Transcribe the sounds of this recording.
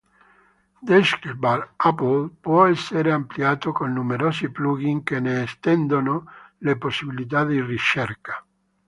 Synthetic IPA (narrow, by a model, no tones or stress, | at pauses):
d̪eʃkbalapolpwɔɛsːeɾeampliaːt̪okonːumeɾosipluɣiŋkeneːst̪ɛnd̪onoleposːiβilit̪ad̪irit͡ʃeɾkḁ